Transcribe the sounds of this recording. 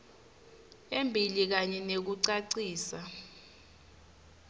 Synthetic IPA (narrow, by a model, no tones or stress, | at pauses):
embʱilik̬aɲɛnek̬uǀaǀiːsa